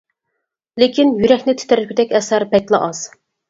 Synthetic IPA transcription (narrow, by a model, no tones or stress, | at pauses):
lekʲinjyɾɛkʲnɪt̪ʰt̪ʰæɾɪpʰyd̪ɛkʲɛsæɾbɛt̪lˠɑ̰ʔɑz̥